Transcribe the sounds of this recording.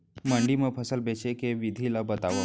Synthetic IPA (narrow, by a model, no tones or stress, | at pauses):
məɳɖiməpʰəsəlbʱet͡ɕekeʋid̪ʱilabət̪aʋə